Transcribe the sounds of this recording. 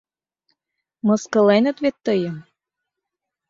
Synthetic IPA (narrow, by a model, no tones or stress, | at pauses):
mɤ̆skɤ̆lenə̆t̪βet̪ːɤjɤ̆m